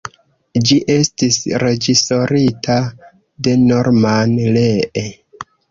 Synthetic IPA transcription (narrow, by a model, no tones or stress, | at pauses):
d͡ʒiʔe̞stisɾe̞d͡ʒiso̞ɾitʰa | de̞no̞ɾmanleʔe